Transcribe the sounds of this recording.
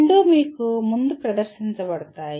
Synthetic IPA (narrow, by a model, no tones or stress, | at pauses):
ɳɖuːmiːkumund̪upɾɐd̪ɐɾʃiɲt͡ʃɐbɐɽɐt̪aːj